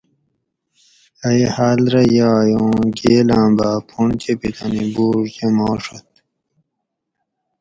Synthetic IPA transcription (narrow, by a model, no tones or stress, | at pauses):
ɐihaːlɾɐjaːjõːɡeːlãːbaːpʰuɳt͡ɕʰepit̪ʰɐnibuːʐd͡ʑɐmoːʂɐt̪